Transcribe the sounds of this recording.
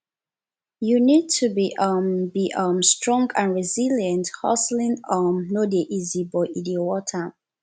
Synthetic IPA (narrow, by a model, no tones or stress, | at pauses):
junid̚tʰubiʔʌmbiʔʌmstɹ̥ɔ̃ŋɡãnɹiziljə̃nthɔ̰slĩnɔmnodeʔizibɔidiowɔtʰə